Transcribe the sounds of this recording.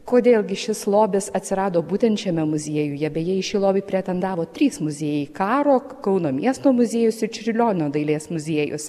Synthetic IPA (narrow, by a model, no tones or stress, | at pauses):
koːd̪ʲeːlˠɡʲɪʃʲɪslˠoːbʲɪsɐt̪ʲsʲɪɾɑːd̪oːbuːt̪ʲɛnt̪ʲt͡ʃʲɛmʲɛmʊzʲiɛjʊːjɛbʲɛjiɛɪʃʲiːlˠoːbʲɛɪpʲɾʲɛt̪ʲɛnd̪ɑːʋoːt̪ʲɾʲiːsmʊzʲiːjɛkɑːɾoː | kɐʊnoːmʲiɛst̪oːmʊzʲeɛjʊsɪt͡ʃʲɾʲɪlʲoːnʲnʲoːd̪ɐɪlʲeːsmʊzʲiɛjʊ̰s